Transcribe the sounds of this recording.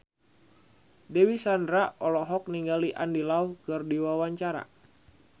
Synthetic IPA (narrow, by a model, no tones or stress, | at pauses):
dewisandɾaɔlɔɦɔk̚niŋɡaliʔa̰ndilauhkərdiwawaɲt͡ʃaɾa̰